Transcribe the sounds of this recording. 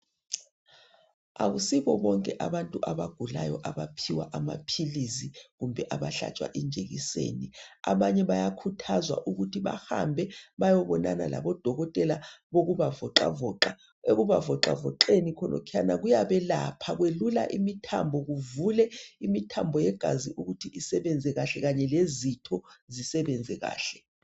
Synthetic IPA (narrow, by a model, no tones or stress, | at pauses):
aɣusiβɔɓɔŋkʼɛʔaβantʼuʔaβaɡ̥ʱulajɔʔaβapʰiwaʔamapʰiliziɣumbʱɛʔaβaɬa̰t͡ʃʼwa̰ʔind͡ʒʱeɣisḛːniaβaɲɛβajakʰutʰazwaʔuɣutʰiβa̰hambʱɛβajɔβɔnana̰la̰βɔd̥ʱɔɣɔtʼɛlaɓoɣuβavɔǁa̰vɔːǁa | eɣuβavɔǁa̰vɔǃenikʰɔnɔ̰kʰianaɣujaɓɛlapʰaɣwelula̰ʔimitʰambʱɔɣuvulɛimitʰambʱɔjɛɡ̥ʱa̰ziʔuɣutʰiʔisɛɓɛnd͡zʱɛɣaɬɛɣaɲɛlezitʰɔzisɛɓɛnd͡zʱɛɣa̰ːɬɛ